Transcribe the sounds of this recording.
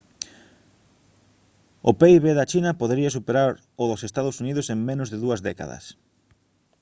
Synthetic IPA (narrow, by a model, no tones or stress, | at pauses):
ʊpeiβeðat͡ʃinɐpoðeɾiɐs̬upeɾaɾ | ʊðʊsest̪aðʊsuniðʊseŋmẽnʊzðɪðuɐzðɛka̰ðɐ̰s